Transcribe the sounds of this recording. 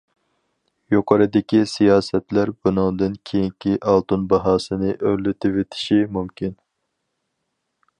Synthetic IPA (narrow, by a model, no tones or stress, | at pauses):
joqʰɑɾɨd̪ɪkʲisijɑːsɛt̪læɾbunɨŋd̪ɨnkʲʰejiŋkʲʰiʔɑlˠt̪unbɑɦɑːsɨnɨʔølɪt̪ʰɪvet̪ʰɪ̥ʃimumkʲʰin